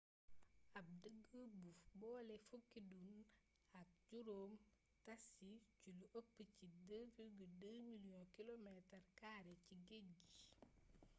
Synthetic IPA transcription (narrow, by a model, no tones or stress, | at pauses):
ɐp̚dəɡːəbufbɔːlɛfukːidun | ɐk̚ɟuɾoːm | tɐsiculuʔəpːəcidəfiɡədəmiljɔ̃kilomɛtɐrkaːɾɛciɡeɟi